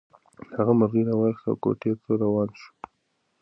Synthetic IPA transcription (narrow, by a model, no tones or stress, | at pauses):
haɣamʊɾɣiɾawaɾxa̰wko̰ʈet̪oɾawɑnʃu̥